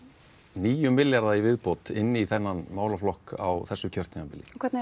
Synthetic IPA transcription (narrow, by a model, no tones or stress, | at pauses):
niːjʏmːɪljaɾðaivɪðpɔt̪ɪnːɪiθɛnːanmaːwlaflɔhka̰wθɛsːʏcʰœr̥t̪niŋkampɪljɪ̰kʰɛɾt̪n